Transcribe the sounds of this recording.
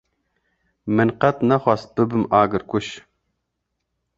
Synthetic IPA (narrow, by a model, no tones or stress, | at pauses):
mɨnqɐt̪naχʷɑst̪̚b̥ɨbɨmaːɡɨɾkʷʊʃ